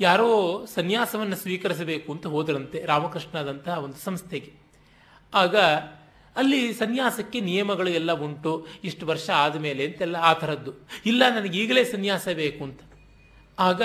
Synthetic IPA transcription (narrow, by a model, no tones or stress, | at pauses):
jaːɾoːsɐnjaːsɐʋɐnːɐsʋiːkɐɾis̬ɐbeːkuɐnt̪ɐɦo̞ːd̪ɾɐnt̪e̞ɾaːmɐkɾiʂɳaːd̪ɐnt̪ɐɦɐo̞nd̪usɐmst̪ʰeɡe | aːɡɐː | lːisɐnjaːsɐkːe̞nijɐmɐɡɐɭuɛlːɐuɳʈuiʂʈuʋɐɾʂɐaːd̪ɐme̞ːleɐnt̪ɛlːɐaːt̪ʰɐɾɐd̪ːuilːɐnɐnɐɡeiːɡɐle̞ːsɐnjaːsɐbe̞ːkuɐnt̪ɐ̥ | aːɡɐ